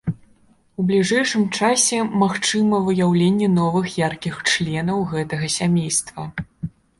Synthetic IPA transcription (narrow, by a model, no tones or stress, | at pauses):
ublʲiʐɛjʂɨmt͡ʂasʲɛmaxt͡ʂɨmɐvɨjawlʲenʲːɛn̪ɔvɨxjarkʲixt͡ʂlʲɛnɐwɣɛt̪ɐɣɐsʲamʲejst̪vɐ